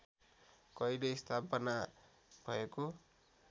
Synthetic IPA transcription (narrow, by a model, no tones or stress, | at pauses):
kʌjlejst̪ʰapʌna | b̥ʱʌ̰eko